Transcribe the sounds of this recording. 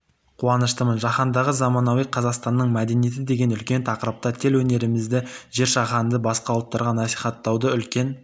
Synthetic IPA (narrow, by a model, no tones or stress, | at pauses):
qʰuwɑnəʃt̪əmənʒɑχɑnd̪ɑʁəzɑmɑnɑwijqʰɑzɑqst̪ɑnːəɴmæd̪e̞nije̞t̪̬ɪd̪e̞ɡʲe̞nʏlkʲe̞nt̪ʰɑqəɾəp̚t̪ɑt̪ʰe̞lwɵne̞ɾɪmɪzd̪ɪʒe̞ɾʃɑʁɑnd̪əbɑsqɑwlˠt̪ːɑɾʁɑnɑsijχɑt̪ːɑwd̪əʏlkʲe̞n